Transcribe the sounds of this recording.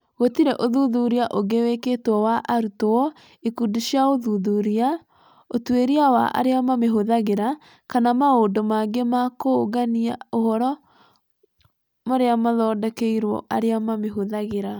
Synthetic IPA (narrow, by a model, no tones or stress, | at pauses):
ɣotiɾɛʔoðuðuɾiaʔoɡeweketwɔwaʔaɾutoɔ | ikunduɕjaoðuðuɾia | otweɾiawa̰ʔa̰ɾeamameɦoðaɣeɾa | kanamaoːdomaŋɡemakoːɣania̰ohɔɾɔ | maɾeamaðɔːdɛkeiɾwɔ̰ʔaɾeamameɦoðaɣeɾa